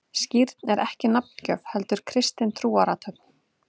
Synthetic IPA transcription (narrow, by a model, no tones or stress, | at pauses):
sciɾt̪nɛɾʔɛhcɪnap̚ncœvhɛlt̪ʏɾ̥kʰɾɪst̪ɪnt̪ʰɾuːaɾat̪ʰœp̚n